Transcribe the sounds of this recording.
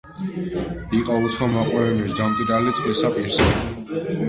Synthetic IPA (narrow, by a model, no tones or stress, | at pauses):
iqʼaut̪sʰχwamaqʼwɛɛnisd̪amt̪ʼiɾalit̪sʼqʼisapʼiɾsɛ